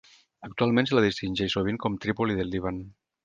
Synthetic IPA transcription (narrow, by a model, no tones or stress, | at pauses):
ək̚t̪ualˠmẽnselaðist̪inʲʒɛʃsoβ̞iŋkɔmt̪ɾipoliðelˠd̪iβan